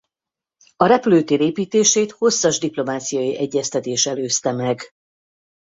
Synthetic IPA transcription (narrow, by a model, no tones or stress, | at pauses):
ɒɾɛpløːt̪eːɾeːpiːt̪eːʃeːt̪ho̞sːɒʒd̪iplo̞maːt̪sijɒjiʔɛɟːɛst̪ɛt̪eːʃɛløːst̪ɛmɛɡ